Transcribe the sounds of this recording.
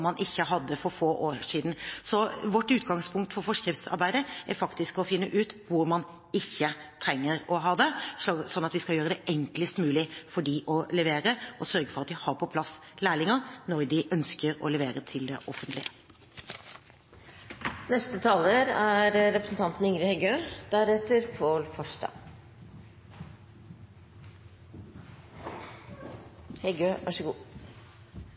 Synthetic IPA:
mɑnʔɪçːəɦɑd̪ːəfɔɾfoːʔoːʂiːd̪n̩sɔʋɔʈːʉːt̪ɡɑŋspʰʊŋk̚t̪fɔɾfɔʂkɾɪft̪sɑ̰ɾbæɪd̪əæɾfɑkt̪ɪskɔfɪnːəʔʉːt̪ʋʊɾmɑn | ɪçːət̪ʰɾɛŋːəɾɔɦɑːd̪ɛsɔnːɑt̪ʋɪskɑljøːɾəd̪ɛʔɛŋkləst̪mʉːlɪfɔɖiːʔɔlɛʋeːɾəɔsœɾɡəfɔɾɑt̪̚d̪ɪhɑɾpʰɔpʰlɑsːlæːɭɪŋəɾnɔɾd̪ɪʔœnskəɾɔ̰lɛʋeːɾət̪ʰɪld̪ɛ̰ʔɔfənt̪lɪə | nɛst̪ət̪ʰɑːləɾæɾɾɛpɾəsn̩t̪ʰɑnt̪n̩ɪŋɾɪhɛɡøːd̪æɾɛt̪əɾpʰolfɔʂɖɑ̰ | hɛɡøːʋʔɑʂəɡuː

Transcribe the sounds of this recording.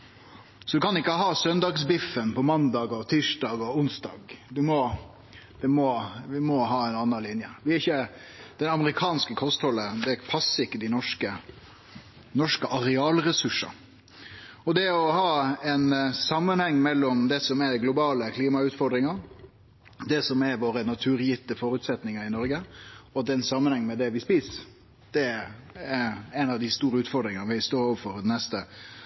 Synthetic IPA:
sɔd̪ʉkʰɑnɪkːəɦɑːsœnd̪ɑɡsbɪfːənpɔmɑnd̪ɑːɡɔt̪ʰiːʂdɑːɡɔʊnsd̪ɑ̰ːɡd̪ʉmɔ | d̪ɛmɔʋɪmɔɦɑːɛɪnɑnːɑnlɪnjəʋɪæɪçːə | d̪̥ɛnɑməɾɪkʰɑːnskəkʰɔst̪hɔlːəd̪ɛæpʰɑsːəɪkːəd̪ɪnɔʂkə | nɔʂkəʔɑɾɛɑːlɾɛsʉʂə̰ | ɔd̪ɛɔhɑːɛnsɑmːənhɛŋːmɛlːɔmd̪ɛsɔmɛɾɡlʊbɑːləkʰliːmɑʉːt̪fɔɾd̪ɾɪŋɑɾ | d̪ɛsɔmɛɾʋoːɾənɑt̪ʰʉːɾjɪt̪ːəfɔːɾʉt̪sɛt̪nɪŋəɾɪnɔɾɡəɔɛnsɑmːənhɛŋːmɛd̪ɛʋɪspiːs | d̪̥ɛɛɾɛnɑʋd̪ɪst̪uːɾəʉːt̪fɔd̪ɾɪŋəʋɪɪst̪oːɾoːʋəfɔɾd̪ɛnɛst̪ə

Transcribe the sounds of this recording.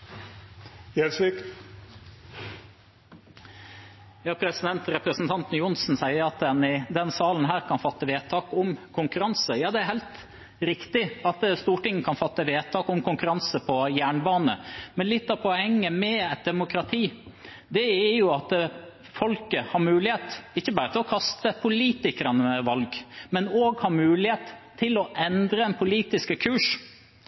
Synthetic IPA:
jɛsik | jɑːpʰɾɛsɪd̪ɛnt̪ɾɛpɾəsn̩t̪ʰɑnt̪n̩jʊnsn̩sæɪəɾɑt̪̚d̪ɛnɪd̪ɛnsɑːlən̩ɦæːɾkʰɑnfɑt̪ːəʋeːt̪ʰɑːkʊmkʰʊŋkʉɾɑnsəjɑːd̪ɛæɾhæɪlt̪ | ɾɪkt̪ɪɑt̪st̪uːʈɪŋːəkʰɑnfɑt̪ːəʋeːt̪ʰɑːkʊmkʊŋkʉɾɑnsəpʰɔjæːɳbɑːnə̰mɛnlɪt̪ːɑpʰɔɛŋːəmɛɛt̪̚d̪ɛmʊkɾɑt̪ʰiː | d̪ɛæɾjʊɑt̪ | fɔlkəhɑɾmʉːlɪheːt̪ɪçːəbɑːɾət̪ʰɪlɔkʰɑst̪əpʰʊliːt̪ɪkəɾɑnəɛʋɑlɡmɛnoːɡhɑɾmʉːlɪheːt̪ʰː | ɪlɔʔɛnd̪ɾəɛnpʰʊliːt̪ɪskəkʰʉːʂ

